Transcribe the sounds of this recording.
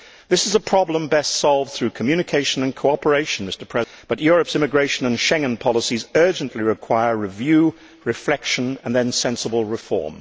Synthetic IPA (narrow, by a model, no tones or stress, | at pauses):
ðɪsɨzəpʰɹ̥ɑblə̃mbɛstsɑlˠv̥θɹʉkʰəmjʉñɨkʰeɪʃɨ̃nɨ̃nkʰoʊɑpə˞eɪʃɨ̃n̩mɪstə˞pʰɹ̥ɛ | b̥ʌtjʊɹɨpsɪ̃mɨɡɹeɪʃɨ̃nə̃nʃɛ̃ŋɨ̃npʰɑlˠəsizɜ˞d͡ʒɨ̃nʔliɹɨkʰw̥aɪə˞ɹɨvjʉ | ɹɨflɛkʃə̃nə̃nðɨ̃nsɛ̃nsəbəl̩ˠɹɨfɔ̰ɹm